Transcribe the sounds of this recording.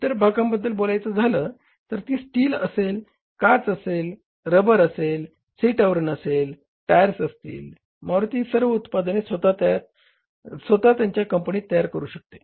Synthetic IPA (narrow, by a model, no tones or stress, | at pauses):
t̪əɾbʱakambəd̪ʱːəlbolajt͡səd͡zʱaləː | t̪əɾt̪iːsʈiːləsel | kat͡səsel | ɾəbəɾəsel | siʈəʋɾənəsel | ʈajəɾsəst̪ḭːl | maʋɾut̪iːsəɾʋəut̪pad̪nesʋət̪at̪at̪̚ | sʋət̪at̪jaɲt͡ɕjakəmpəɳiːt̪ːəjaɾkəɾuːɕək̚t̪e̥